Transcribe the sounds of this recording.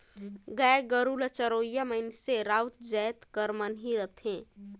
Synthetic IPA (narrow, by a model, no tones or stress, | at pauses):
ɡəeɡəɾuːlət͡ʃəɾoːjaməɪnseɾaːʊt̪d͡ʒɛːt̪kəɾmənɦiɾət̪ʰẽː